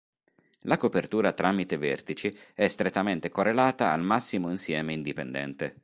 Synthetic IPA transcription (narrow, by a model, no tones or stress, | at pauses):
lakopert̪uːɾat̪ɾamit̪evɛrt̪it͡ʃiɛst̪ɾet̪ːament̪ekorːelaːt̪a̰ːlmasːimoinsjɛːmeind̪ipend̪ɛ̰nt̪e